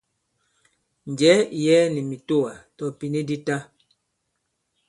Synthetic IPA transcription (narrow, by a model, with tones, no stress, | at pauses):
ɲ̩˨ɟɛ˨˦˨jɛ˦ni˨mi˨to˦˨wa˨tɔ˨pi˨ni˦di˦ta˦